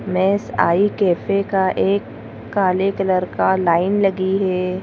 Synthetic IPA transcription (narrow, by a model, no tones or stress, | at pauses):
mɛ̃ːsa̰ːikɛːfekaʔeːkː | aːlekɐləɾkalaːɪnlɐɡiɦɛː